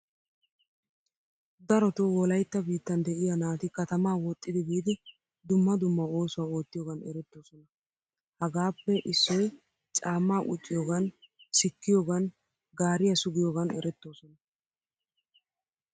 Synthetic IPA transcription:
d̪ɐɾɔt̪ʊwɔlɐjt̪ːɐbiːt̪ːɐnd̪ɛʔɪjɐnaːt̪ɪkɐt̪ɐmaːwɔt̪ʼːɪd̪ɪbiːd̪ɪ | d̪ʊmːɐd̪ʊmːɐo̞ːsʊwaːo̞ːt̪ːɪjoːɡɐnɛɾɛt̪ːo̞ːsɔnɐ | hɐɡaːpːɛʔɪsːɔj | t͡ʃʼaːmːaːʔʊ̰t͡ʃʼːɪjoːɡɐnsɪkːɪjoːɡɐn | ɡaːɾɪjɐsʊɡɪjoːɡɐnɛ̰ɾɛt̪ːo̞ːsɔnɐ

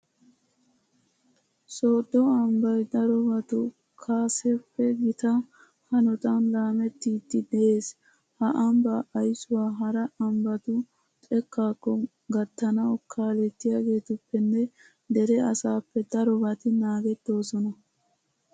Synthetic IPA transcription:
soːd̪ːɔɐmbɐjd̪ɐɾɔbɐt̪ʊ | kʰaːsɛpːɛɡɪt̪ɐ | hɐnɔt̪ɐnlaːmɛt̪ːiːd̪ːɪd̪ɛʔe̞ːs | hɐʔɐmbɐʔːjsʊwaːɦɐɾɐɐmbɐt̪ʊ | t̪ʼɛkːaːkːɔ | ɡɐt̪ːɐnɐwkʰaːlɛt̪ːɪjaːɡe̞ːt̪ʊpːɛnːɛ | d̪ɛɾɛɐsaːpːɛd̪ɐɾɔbɐt̪ɪnaːɡɛt̪ːo̞ːsɔnɐ

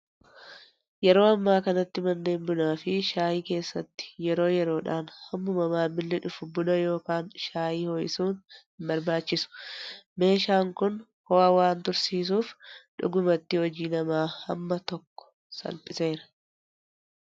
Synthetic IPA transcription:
jɛɾo̞ːɐmːaːkɐnɐt̪ːɪmɐnːe̞ːmbʊnaːfɪʃaːjiːke̞ːsːɐt̪ːɪ̥jɛɾo̞ːjɛɾo̞ːᶑaːnhɐmːʊmɐmaːmːɪlːɪᶑʊfʊbʊnɐjo̞ːkaːnʃaːjiːhoːjɪsuːn | bɐɾbaːt͡ʃːɪsʊ̥me̞ːʃaːŋkʊn | hɔːwɐwaːnt̪ʊɾsiːs̬uːfᶑʊ̰ɡʊmɐt̪ːɪhɔd͡ʒiːnɐmaːhɐ̰mːɐt̪ɔkːɔ̥ | sɐ̰lpʼɪse̞ːɾɐ̥

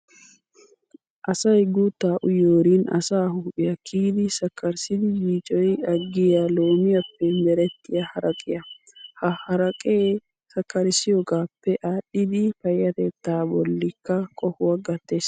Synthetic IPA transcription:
ʔɐsɐjɡuːt̪ːaːʔʊjoːɾiːnɐ̰saːhʊʊʔɪjɐkʰiːd̪ɪsɐkʰːɐɾsɪd̪ɪbiːt͡ʃʼɔjɐɡːɪjɐlo̞ːmɪjɐpːɛmɛɾɛt̪ːɪjɐhɐɾɐkʼɪjɐ | hɐhɐɾɐkʼeː | sɐkːɐɾɪsɪjoɡaːpːɛʔaːɗːɪd̪ɪfɐjːɐt̪ɛt̪ːaːbɔlːɪkːɐkʼɔhʊwɐɡɐt̪ːeːs

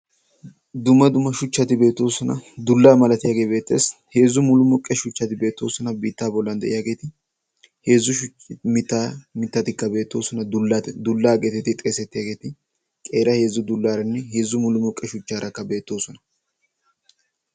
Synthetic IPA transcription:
d̪ʊmɐd̪ʊmɐʃʊt͡ʃːɐt̪ɪbe̞ːt̪ːo̞ːsɔnɐd̪ʊlːaːmɐlɐt̪ɪjaːɡe̞be̞ːt̪ːe̞ːshe̞ːzːʊmʊlʊmʊkʼːɛʃʊt͡ʃːɐt̪ɪbe̞ːt̪ːo̞ːsɔnɐbiːt̪ːaːbɔlːɐnd̪ɛ̰ʔɪjaːɡe̞ːt̪ɪ | he̞ːzːʊʃʊ | mɪt̪ːamɪt̪ːɐt̪ɪkːɐbe̞ːt̪ːo̞ːsɔnɐd̪ʊlːɐt̪ɪd̪ʊlːaːɡet̪ɛt̪ɪt̪ʼeːsɛt̪ːɪjaːɡe̞ːt̪ɪ | kʼe̞ːɾɐhe̞ːzʊd̪ʊlːaːɾɐnːɛheːzːʊmʊlʊmʊkʼːɛʃʊt͡ʃːaːɾʔɐkːɐbe̞ːt̪ːo̞ːsɔnɐ

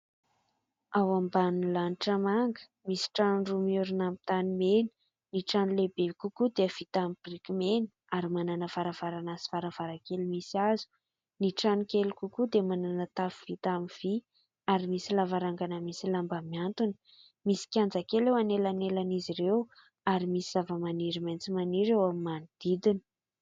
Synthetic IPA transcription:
awambanilaniʈ͡ʂamaŋɡə̥ | misi̥ʈ͡ʂanɳɖ͡ʐumiuɾunamt̪animeni̥ | niʈ͡ʂanilebekukud̪eəv̥it̪amibirikimenə̥ | aɾimananəv̥aɾav̥aɾanasi̥faɾav̥aɾakelimisiazu̥ | niʈ͡ʂanikelikukud̪emananət̪afuv̥it̪amiv̥i | aɾimisilavaɾaŋɡanəmisilambamiant̪unə̥ | misi̥kʲand͡zakelewanelanelaniziɾew | aɾimisiz̥avəmaniɾimajnt͡simaniɾewamimanid̪̥id̪inə̥

